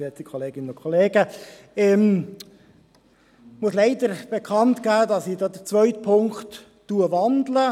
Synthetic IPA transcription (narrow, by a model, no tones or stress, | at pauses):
ɛt͡sikʰɔleːɡɪnənʊnkʰɔleːɡə | ɛm | muəsleɪdəɾb̥ekʰɑntɡ̥æːdɑsidɑːdət͡svʋœʏtpʰʊŋktː | uəvɑndlə